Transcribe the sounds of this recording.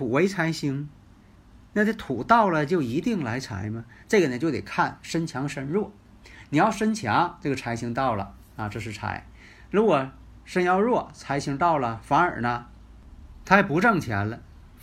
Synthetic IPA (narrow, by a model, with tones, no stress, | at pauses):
tʰu˨˩we˧˥ɪt͡sʰa˧˥ɪɕi˧˥ŋ | na˥˧˩ə˥˩t̪ʰu˨˩t̪ɑ˥˩ʊlə˨t͡ɕjo˥˩ʊi˧˥t̪i˥˩ŋla˧˥ɪt͡sʰa̰˧˥ɪmɐ˧ | ʈ͡ʂɤ˥˩ɡə˩nə˩t͡ɕjo˥˧ʊt̪ḛ˨˩kʰa˥˩nʂə˥nt͡ɕʰjɑ˧˥ŋʂə˥nɻwɔ˥˩ | ni˨˩jɑ˥˩ʊʂə˥nt͡ɕʰjɑ˧˥ŋʈ͡ʂɤ˥˩ɡə˩t͡sʰa˧˥ɪɕi˧˥ŋt̪ɑ˥˩ʊlə̰˩ | ɐ˧ʈ͡ʂɤ˥˧ʂɻ̩˥˩t͡sʰa̰˧˥ɪ | ɻu˧˥ɡwɔ˨˩ | ʂə˥njɑ˥˧ʊɻwɔ˥˩t͡sʰa˧˥ɪɕi˧˥ŋt̪ɑ˥˩ʊlə˩fa˧˥nə̰˞˨˩nə˦ | t̪ʰa˥ɛ˨˩pu˧˥ʈ͡ʂɤ˥˩ŋt͡ɕʰjɛ̰˧˥nlə˧